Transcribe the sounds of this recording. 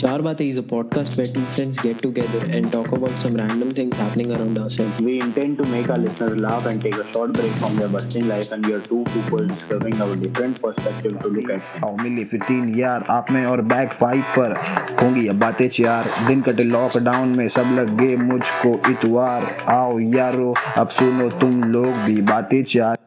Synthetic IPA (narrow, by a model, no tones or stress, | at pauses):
t͡ʃaːɾbaːt̪eizəpɔːɖ̚kaːsʈʋeːʈɪ̃fɾə̃nsɡɛʈːuɡɛd̪əɾɛ̃ɳɖʈɔːkəbaʊʈsɐ̃mɾæ̃ɳɖə̃mt̪ʰɪ̃ŋzɦæpənɪ̃ŋəɾãʊ̃ɳɖaʊsɛlʋiːɪ̃ɳʈɛ̃ɳɖ̚ʈumeːkalɪsnəɾzlaːfɛ̃ɳɖʈeːkəʃɔːʈbɾeːkfɾɔ̃md̪əbɐstɪ̃ŋlaɪfɛ̃ɳʋiaɾʈuːpuːpəlɖɪskəɾbɪ̃ŋaʊəɖɪfɾə̃ɳʈpəɾspɛk̚ʈɪʋʈulʊkɛːʈɛ̃aːomɪlːefɪɾt̪iːnjaːɾaːpmẽɔːɾbɛːkfaːɪbːɐɾɦõːŋɡijaːbaːt̪eːt͡ʃjaːɾd̪ɪnkɐʈelɔːkɖaːʊ̃nmẽsɐblɐɡːemʊd͡ʒʱkoʔɪt̪ʋaːɾaːojaːɾoɐ̰bsʊnot̪ʊmloːɡ̚bʱibaːt̪et͡ʃjaːɾ